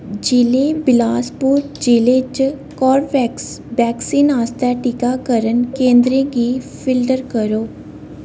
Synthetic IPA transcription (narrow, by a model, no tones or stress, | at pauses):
d͡ʒɪleːbɪlaːspuːɾ | d͡ʒileːt͡ʃkɔːɾʋɛksbɛːksiːnaːst̪ɛːʈikaːkəɾənkẽːnd̪ɾẽːɡiːpʰɪlɖəɾkəɾoː